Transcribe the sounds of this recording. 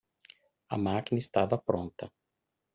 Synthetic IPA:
ɐ̰maːkʲnʲist̪aːʋɐpɾɔnt̪ɐ

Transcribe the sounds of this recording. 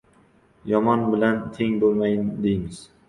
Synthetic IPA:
jɒmɒnbɪlant̪ʰe̞ŋbolˠmajɪnd̪ejmɪz̥

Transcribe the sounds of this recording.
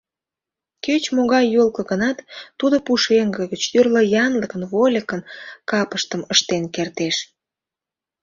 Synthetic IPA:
køt͡ɕmoɣɑjːolkə̆ɣənɑt̪ːud̪opuʃeŋɡəɣət͡ɕyrləjɑnləkənvolʲəkənkɑpəʃt̪əməʃt̪enkert̪eʃ

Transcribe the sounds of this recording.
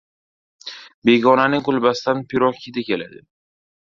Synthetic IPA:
be̞ɡʲɒnanɪŋqʊlˠbasɪ̥d̪anpʰɪɾɒkʲʰɪd̪ɪkʲela̰d̪ɪ

